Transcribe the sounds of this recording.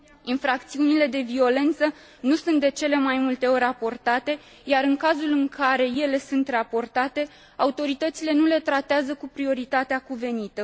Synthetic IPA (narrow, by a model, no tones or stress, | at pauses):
infɾak̚t̪siunile̞d̪e̞vio̞le̞nt̪sə | nusunt̪̚d̪e̞t͡ʃe̞le̞majmult̪e̞o̞ɾʲapo̞rt̪at̪e̞ | jaɾɨŋkazulɨŋkʰaɾe̞je̞le̞sunt̪rapo̞rt̪at̪e̞ | aut̪o̞ɾit̪ət̪sile̞nule̞t̪ɾat̪eazəkupɾio̞ɾit̪at̪eakuve̞nit̪ə